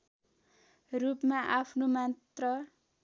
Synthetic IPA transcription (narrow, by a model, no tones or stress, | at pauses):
rupmaʔapʰnomat̪rʌ